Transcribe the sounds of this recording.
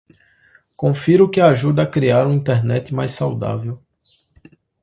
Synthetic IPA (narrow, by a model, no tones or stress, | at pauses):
kõfiɾʊkɪaʒud̪ɐːkɾiaɾũĩnt̪eɾnɛt̪ɪmajssawd̪a̰vew